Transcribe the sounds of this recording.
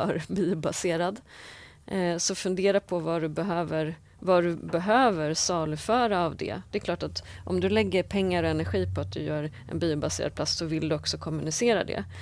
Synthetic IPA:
œ̰ːɾbiːʊbaseːɾad̪ | sɔfɵnd̪eːɾapʰɔvaɖɵbɛɦøːvəɾ | vaɖɵbɛɦøːvəɾsɑːlʉfœːɾaːvd̪ɛ̰d̪̥ɛɛklɑːʈat̪ʔɔmd̪ɵlɛɡːəɾpʰɛŋːaɾɔɛnæɾɧiːpʰɔat̪̚d̪ɵjœːɾ | ɛ̰nbiːʊbasḛːɾad̪̚pʰlasːsɔvɪld̪ɵɔksɔkʰɔmːɵnɪseːɾa̰d̪ɛ̰

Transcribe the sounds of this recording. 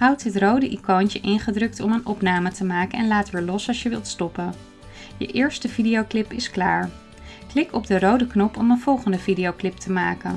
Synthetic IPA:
ɦʌwtɦətrowdəʔikoːntəʔɪnχədrɵk̚tɔmənɔpnaːmətəmaːkənɛnlaːtʋɪːɹlɔsɑlˠʃjəʋɪlˠtstɔpən | jə̰ʔɪːɹstəvidijowklɪpɪsklaːɹ | klɪkɔb̚dərowdəknɔpɔmənv̥ɔlˠχəndəvidiowklɪp̚tʰəmaːkən

